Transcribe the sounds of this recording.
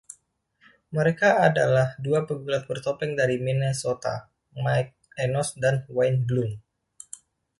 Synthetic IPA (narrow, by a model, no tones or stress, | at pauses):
məɾekaːda̰lahduapəɡulat̪̚bərt̪opɛŋdaɾiminesot̪a̰ | majk̚ | ɛnɔsdanwajnɡlum